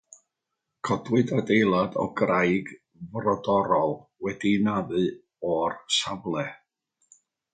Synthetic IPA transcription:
kʰɔdwɨdadejlˠadɔ̰ɡrajɡ | vrɔdɔɾɔlˠwɛdinaðɨ | ɔrsavlˠɛ

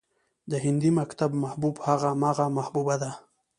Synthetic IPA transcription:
d̪əɦɪnd̪imakt̪abmahbubhaɣamaɣamahbubad̪a

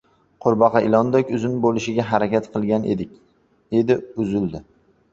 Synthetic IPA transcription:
qʰʊɾbɑqʰɑʔɪlˠɒnd̪ɒkʲʊzɪnɪbolɪʃɪɡʲaɦaɾakʲat̪qʰɨlˠɡʲanʔḛd̪ɪkʲ | d̪e̞d̪ɪʊzɪld̪ɪ

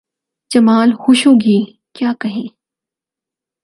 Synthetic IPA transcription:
d͡ʒɐmaːlhʊʃõɡi | kjaːkɐɦẽː

